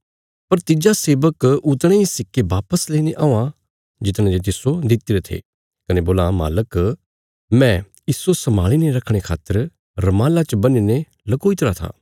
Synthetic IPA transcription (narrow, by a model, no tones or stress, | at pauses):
pɐɾt̪ɪd͡ʒaseːbəkʊt̪ɽ̃eːisɪkːebaːpəsleːineʔãːã | d͡ʒɪt̪ñẽd͡ʒet̪̬ɪsod̪ɪt̪ːiɾet̪ʰḛ | kɐneboːlama̰ːlək | mɛ̃ | ɪsosɐmaːɭineɾɐkʰɽ̃ekʰa̰ːt̪ːəɾ | ɾɐmaːlat͡ʃbɐnine | lɐkoːit̪ɾat̪ʰa̰ː